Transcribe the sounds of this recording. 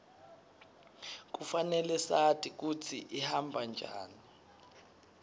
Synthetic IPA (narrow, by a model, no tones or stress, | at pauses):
k̬ufanɛlɛsatʰʼik̬ut͡sʰiʔihambʱand͡ʒʱa̰ːni